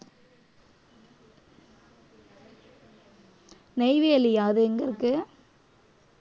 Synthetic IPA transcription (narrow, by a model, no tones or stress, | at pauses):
nɛɪʋeːɐlijaːðɯɛŋɡɐɾɯkːɯ